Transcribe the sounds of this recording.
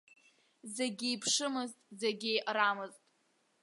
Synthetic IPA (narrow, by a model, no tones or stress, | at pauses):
zeɡʲijpʰʂɨmɨztʼzeɡʲɪʔramɨztʼ